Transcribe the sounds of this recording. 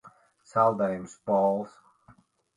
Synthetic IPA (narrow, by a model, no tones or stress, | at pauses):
salˠdẽɪ̃msbɔlˠz̥